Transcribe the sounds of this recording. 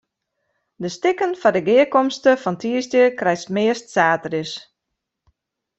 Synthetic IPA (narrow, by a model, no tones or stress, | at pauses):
dəstɪkənfɔdəɡɪəkɔmstəfɔntiəstjəkrɛjstmɪəstsaːtərɪs